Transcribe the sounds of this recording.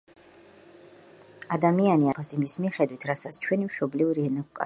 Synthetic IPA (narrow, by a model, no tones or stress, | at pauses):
ad̪amianiapʰasimismiχɛd̪wit̪ʰɾasat̪sʰt͡ʃʰwɛnimʃɔblivɾiɛnakukʼa̰